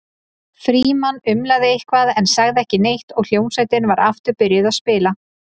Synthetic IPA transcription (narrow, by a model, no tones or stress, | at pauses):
fɾiːmanːʏmlaðɪɪhkvaːðɛnsaɣðɪɛhcɪnejht̪ɔɣl̥joːwnsaːjt̪ɪnvaɾaft̪ʏɾpʏɾjɪðaðspɪːla